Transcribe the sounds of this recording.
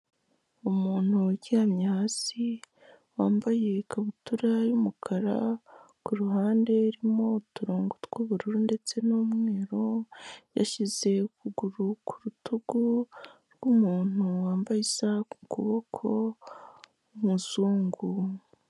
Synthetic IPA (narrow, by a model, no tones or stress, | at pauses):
umuːn̥huɟiɾamɲaːt͡si | waːmbaje̞kaβutuɾajumukʰaɾa̰ | kuɾuhaːnde̞ɾimo̞tuɾoːŋɡutɡuβuɾuɾunde̞t͡se̞nomŋe̞ːɾoja̰ʃize̞kuɡuɾukʰuɾutʰuɡuɾɡ̥umuːn̥huwaːmbajisakukuβo̞kʰo̞ | muzuːŋɡu